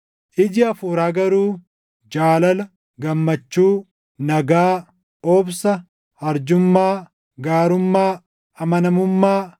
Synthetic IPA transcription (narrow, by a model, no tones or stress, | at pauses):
ʔɪd͡ʒɪɐfuːɾaːɡɐɾuː | d͡ʒaːlɐlɐ | ɡɐmːɐt͡ʃːuː | nɐɡaː | ɔːbsɐ | hɐɾd͡ʒʊmːaː | ɡaːɾʊmːaː | ɐmɐnɐmʊmːaː